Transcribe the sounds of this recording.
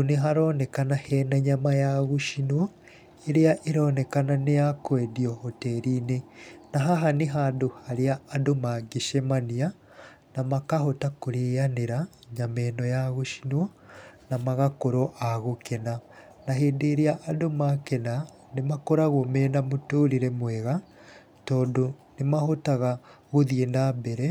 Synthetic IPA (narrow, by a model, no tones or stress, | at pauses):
uniɦaɾoːnekanahenaɲamajaɣuʃinwo | eɾiaʔiɾoːnekananejakwediohoteɾinenaɦaɦaniɦaduhaɾiaːdomaɡiʃemania | namakahotakuɾejaneɾa | ɲamɛnɔjaɣoʃi̥nwɔ | namaɣakoɾɔʔaɣokɛna | naɦeːndeɾeaʔːdomakɛna | nemakɔɾaɣomɛnamotoːɾiɾɛmwɛɣa | tɔːdonemahotaɣa | ɣoðienabɛɾɛ